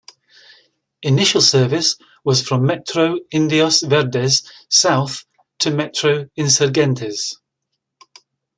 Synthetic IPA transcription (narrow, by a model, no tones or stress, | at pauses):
ɪnɪʃəlˠsɜːvɪs | wɒz̥fɹə̃mːɛt͡ʃɹ̥oʊɪ̃ndiəsvɛɹdɛz̥saʊθ | tʰəmɛt͡ʃɹ̥oʊɪ̃nsəɹɡɛ̃ntʰɪz̥